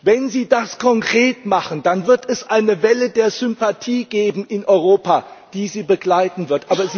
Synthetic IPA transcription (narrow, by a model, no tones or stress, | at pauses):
vɛnziːdaskʰɔŋkʁ̥eːtmaχən̩d̥anvɪɐtʰɛsʔaɪnəvɛlədeːɐzʏmpatʰiːɡeːbm̩ʔɪnʔɔʏʁ̞oːpad̥iːziːbəɡlaɪtn̩vɪɐtʔaːbɐzi